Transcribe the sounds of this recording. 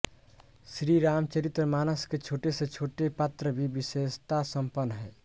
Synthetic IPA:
sɾiɾaːmt͡ʃəɾit̪ɾəmaːnəsket͡ʃʰoːʈeset͡ʃʰoːʈepat̪ɾəbʱibisest̪asəmpənːɦɛː

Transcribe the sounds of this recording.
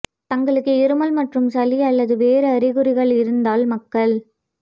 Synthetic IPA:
t̪ɐŋɡɐɭɯkːɯɪɾɯmɐlmɐʈrɯmsɐliɐlːɐðɯʋeːɾɯɐɾɪɣɯɾɪɣɐɭɪɾɯnd̪aːlmɐkːɐɭ

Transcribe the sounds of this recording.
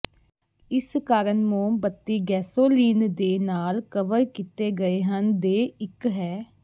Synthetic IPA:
ɪskaːɾənmoːbət̪ːiːɡɛːsoːliːnd̪eːnaːlkəʋəɾkit̪eːɡəeːɦənd̪eːɪkɦɛː

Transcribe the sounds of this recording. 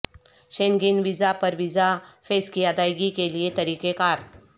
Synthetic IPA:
ɕeŋɡinʋizapəɾʋizafeːskijad̪ajɡikeliet̪ɐɾiːkekaːɾ

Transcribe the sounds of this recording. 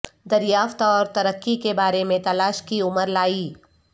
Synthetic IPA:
d̪ɐɾjaːft̪ɔːɾt̪ɐɾəkːikebaːɾemẽt̪ɐlaːʃkiʊməɾlaːiː

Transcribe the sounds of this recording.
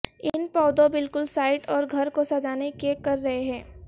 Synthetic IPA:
ɪnpɔːd̪õbɪlkʊlsaːɪʈɔːɾɡʱɐɾkosɐd͡ʒaːnekekɐɾːɐɦeɦɛ̃ː

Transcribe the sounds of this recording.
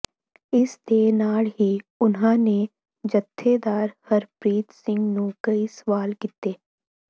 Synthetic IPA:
ɪst̪eːnaːɽɦiʊnɦãːne | d͡ʒət̪ʰːed̪aːɾhəɾpɾiːt̪sɪ̃ŋɡnũːkəisəʋaːlkit̪eː

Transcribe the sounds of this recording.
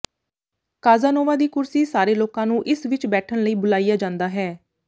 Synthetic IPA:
kaːzaːnoːʋaːd̪iːkʊɾsiːsaːɾeːloːkãːnũːʔɪsʋɪt͡ʃbɛːʈʰənləiːbʊlaːijaːd͡ʒãːnd̪aːɦɛː

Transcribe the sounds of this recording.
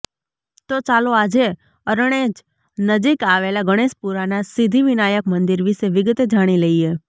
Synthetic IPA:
t̪ot͡ʃaːloaːd͡ʒe | əɾəɽ̃eːd͡ʒ | nəd͡ʒikaːʋelaɡəɽ̃eːʃpuɾanasɪd̪ʱiʋɪnaːjəkmə̃nd̪ɪɾʋiseʋɪɡət̪d͡ʒaːɽ̃ileie

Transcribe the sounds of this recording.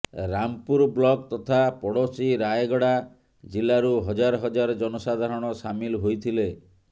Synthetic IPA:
ɾampuɾblɔɡ̚t̪ɔt̪ʰapɔɽosiɾajeɡɔɽa | d͡ʒilaɾuɦɔd͡ʒaɾɔɦɔd͡ʒaɾɔd͡ʒɔnɔsad̪ʱaɾɔɽ̃ɔsamilɦojt̪ʰile

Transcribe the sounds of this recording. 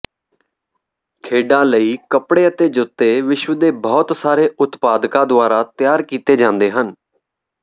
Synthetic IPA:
kʰeːɖãːləiːkəpɽeːət̪eːd͡ʒʊt̪ːeːʋɪʃʋəd̪eːbɔːt̪saːɾeːʊt̪paːd̪kãːd̪ʊaːɾaːt̪ɪjaːɾkiːt̪eːd͡ʒãːnd̪eːɦən

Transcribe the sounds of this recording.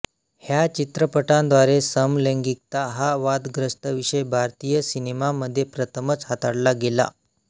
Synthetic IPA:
hjat͡ɕit̪ɾəpəʈãnd̪ʋaɾesəmleŋɡik̚t̪aɦaʋad̪ɡɾəsʈəʋiʂəjbʱaɾt̪ijəsinemaməd̪ʱːjepɾət̪ʰəmət͡sɦat̪aɽlaɡela̰

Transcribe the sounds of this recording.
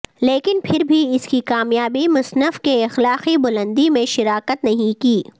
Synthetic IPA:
leːkɪnpʰɪɾbʱiɪskikaːmjaːbimʊsnəfkeɪxlaːqibʊlə̃nd̪imẽʃɪɾaːkət̪nɐɦĩkiː

